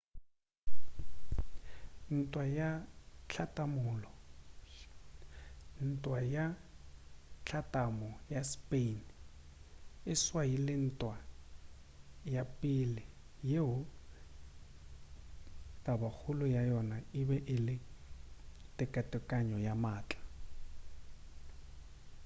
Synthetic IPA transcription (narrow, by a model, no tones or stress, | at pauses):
n̩tʼwajat͡ɬʰatʼamʊːlɔ | n̩tʼwaja | t͡ɬʰatʼamɔjaspen | ɪswailɪn̩tʼwa | japʼilɪ | jeɦʊ | tʼabak͡xʰʊlʊjajɔnaɪbɛʔɪlɪ | tʼɪkʼatʼɛkʼaɲɔjamaːt͡ɬʼḁ